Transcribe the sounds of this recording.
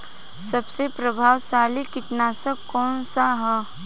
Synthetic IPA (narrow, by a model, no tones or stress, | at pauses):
sɐbsepɾɐbʱaːwsaːlikɪt̪naːsɐkːɔːnsaɦɛ